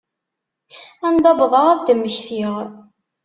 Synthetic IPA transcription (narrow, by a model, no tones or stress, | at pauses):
ænd̪ˤɑbðˤɑʁd̪əmːəçθiʁ